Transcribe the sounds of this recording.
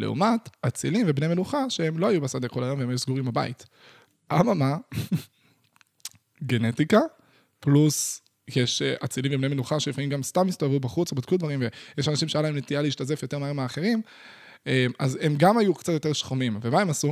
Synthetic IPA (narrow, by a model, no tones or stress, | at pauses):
leṵmat̪at͡silimvebnemenuχaʃeemloajubasad̪ekolajo̞mveemajusɡuʁimbaba̰ḭt̪ | ʔamama | ɡenetika | plus | jeʃeʔat͡siliɱvebnemenuχaʃelifaimɡamstamist̪oavubaχut͡sobad̪kud̪vaʁimvejeʃanaʃimʃejalaemnet̪ialeiːʃtaze̞fjo̞t̪e̞maemeaːχe̞ʁim | emazemɡamajukt͡sat̪joteʃχomimvemae̞masu